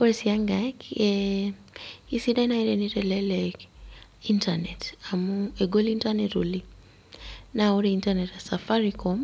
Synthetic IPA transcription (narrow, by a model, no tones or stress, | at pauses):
kɔɾɛsiaŋɡakɛ | isiɗainaiɾɛnitɛlɛlɛ | intanɛtamuɛɡɔlintanɛtṵli | nauɾiintanɛtasafaɾikɔm